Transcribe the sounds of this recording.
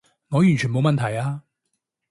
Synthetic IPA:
ŋɔː˨˧jy˨˩nt͡ʃʰy˨˩nmo˨˧wmɐ˨nt̪ʰɐ˨˩jaː˧

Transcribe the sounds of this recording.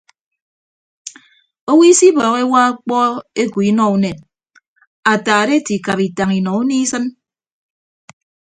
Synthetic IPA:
o˦wi˦si˦bɔː˨ɣe˦wa˦a˦k͡pɔ˦e˦ki˨i˦nɔ˦u˦ne˨t̚ | a˨taː˨ɾe˦ti˨ka˨pi˨ta˨ŋi˨nɔ˨u˦ni˦sɨ˦n

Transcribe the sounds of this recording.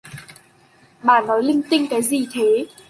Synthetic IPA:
ɓaː˨˩nɔ˨˦jlï˧ŋ̟t̪ï˧ŋ̟kaː˨˦jzi˨˩t̪ʰe˨˦

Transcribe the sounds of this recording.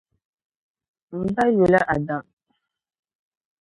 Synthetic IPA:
m̩˨ba˦jo˨la˦ʔa˨da˨

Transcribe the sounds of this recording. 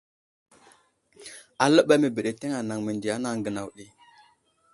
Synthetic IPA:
a˨lə˦ɓa˦me˨bə˨ɗe˨te˦ŋa˨na˨ŋmi˨ndi˨a˦na˦ŋɡə˨na˨wɗi˦

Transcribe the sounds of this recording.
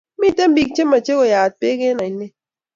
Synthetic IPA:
mi˦˨te˦m˦bi˨k̚t͡ʃe˦mːa˨t͡ʃe˦kɔ˨jaː˨t̚pe˦ke˦na˨i˨ne˦

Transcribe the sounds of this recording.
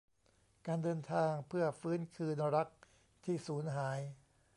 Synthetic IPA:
kaː˧ndɤː˧nt̪ʰaː˧ŋpʰɯ˥˩ɐfɯː˦˥nkʰɯː˧nɾa˦˥k̚ | t̪ʰiː˥˩suː˩˦˥nɦaː˩˦j

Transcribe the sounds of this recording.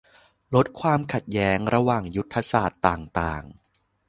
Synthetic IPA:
lo˦˥t̪̚kʰwaː˧mkʰa˨˩t̪̚jɛː˦˥ŋɾa˧waː˨˩ŋju˦˥t̪ʰːa˧saː˨˩t̪ːaː˨˩ŋt̪aː˨˩ŋ

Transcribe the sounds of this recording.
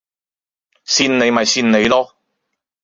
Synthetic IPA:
siː˧nne˨˧jmɐ˨jsiː˧nne˨˧jlɔː˥

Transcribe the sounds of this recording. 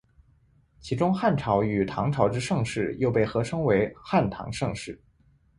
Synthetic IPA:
t͡ɕʰi˧˥ʈ͡ʂʊ˥ŋxa˥˩nʈ͡ʂʰɑ˧˥ʊy˨˩t̪ʰɑ˧˥ŋʈ͡ʂʰɑ˧˥ʊʈ͡ʂɻ̩˥ʂɤ˥˧ŋʂɻ̩˥˩jo˥˧ʊpe˥˩ɪxɤ˧˥ʂɤ˥ŋwe˧˥ɪxa˥˩nt̪ʰɑ̰˧˥ŋʂɤ˥˧ŋʂɻ̩˥˩

